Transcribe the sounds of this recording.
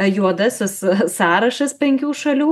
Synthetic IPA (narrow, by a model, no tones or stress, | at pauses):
juɔd̪ɐsʲɪssɑːɾɐʃɐspʲɛŋʲkʲuːʃɐlʲuː